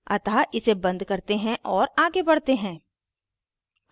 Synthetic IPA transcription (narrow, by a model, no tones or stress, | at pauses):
ɐ̰t̪aʔɪsebɐ̃nd̪kɐɾt̪eɦɛ̃ʔɔːɾaːɡebɐɽ̤t̪eɦɛ̃ː